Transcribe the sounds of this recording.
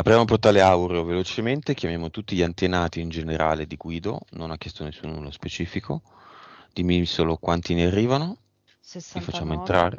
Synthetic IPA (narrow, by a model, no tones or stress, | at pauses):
apɾijaːmoport̪aːleawɾeovelot͡ʃement̪ek̟jamjaːmot̪ut̪ːiʎiant̪enaːt̪iːnd͡ʒeneɾa̰ːled̪iɡwiːd̪o̰nonakːjɛst̪onesːunulospet͡ʃiːfikʰo | d̪̥imisolokwant̪inearːiːvano | ifat͡ʃːaːmoent̪ɾaːɾ